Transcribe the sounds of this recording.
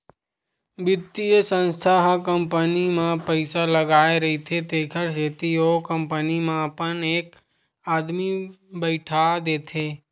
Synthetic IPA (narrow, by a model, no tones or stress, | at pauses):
bɪt̪ːijəsə̃nst̪ʰaɦkəmpənimãpəɪsaləɡaːeɾɐɦit̪ʰet̪eːkʰəɾseːt̪iokə̃mpənimãpəneːk | aːd̪mi | bəɪʈʰad̪eːt̪ʰeː